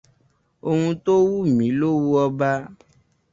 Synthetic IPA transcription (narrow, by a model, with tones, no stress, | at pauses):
o˧ŋũ˧t̪o˦wu˦mĩ˨˦lo˦wu˦ɔ˧ba˦